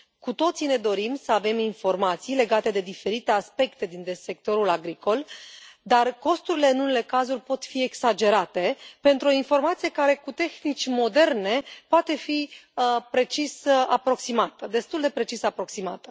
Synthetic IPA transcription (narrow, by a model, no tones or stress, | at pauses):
kut̪o̞t̪sine̞d̪o̞ɾimsəave̞minfo̞rmat̪sijle̞ɡat̪e̞d̪e̞d̪ife̞ɾit̪e̞aspe̞kt̪e̞d̪ind̪ese̞k̚t̪o̞ɾulaɡɾikʰo̞ld̪arko̞st̪uɾile̞ɨnune̞le̞kazurʲpo̞t̪fie̞ksad͡ʒe̞ɾat̪e̞pe̞nt̪ɾuo̞info̞rmat̪sije̞kaɾe̞kut̪e̞xnit͡ʃʲmo̞d̪e̞rne̞poat̪e̞fiəpɾe̞t͡ʃisapɾo̞ksimat̪əd̪e̞st̪uld̪e̞pɾe̞t͡ʃisapɾo̞ksimat̪ə